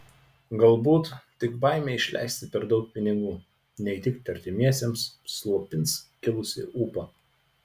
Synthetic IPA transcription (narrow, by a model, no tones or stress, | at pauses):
ɡɐlˠbuːt̪t̪ʲɪkbɑˑɪmʲeːɪʃʲlʲʔɛ̰ˑɪsʲt̪ʲɪpʲɛɾd̪ɒʊk̚pʲɪnʲɪɡuː | nʲɛɪt̪ʲɪkt̪ʲɐɾʲt̪ʲɪmʲiɛsʲemsslˠuɔpʲɪnskʲɪlˠʊsʲɪ̰ʔuːpɐ